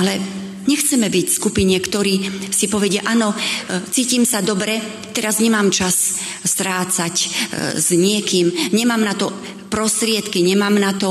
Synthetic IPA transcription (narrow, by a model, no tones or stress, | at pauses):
alɛ | ɲɛxt͡sɛmɛbicskupiɲɛkt̪ɔɾiːsipɔʋɛɟɪaʔanɔt͡siːcimsad̪ɔbɾɛ | t̪ɛɾazɲɛmaːmt͡ʃas | st̪ɾaːt͡sacz̥ɲɪɛkiːmɲɛmaːmnat̪ɔ | pɾɔst̪ɾɪɛt̪kiɲɛmaːmnat̪ɔ